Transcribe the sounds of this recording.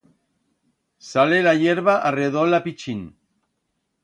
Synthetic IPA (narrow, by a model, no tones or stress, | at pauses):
salelaʝeɾβaʔareðolapit͡ʃin